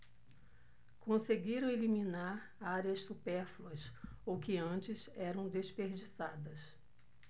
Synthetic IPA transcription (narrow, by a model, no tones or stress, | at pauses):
kõseɡiɾɐ̃w̃eliminaɾ | aɾiɐssupɛɾfluɐsowkɪɐ̃t͡ʃɪzɛɾɐ̃w̃d̪eʃpeɾd͡ʒisad̪ɐs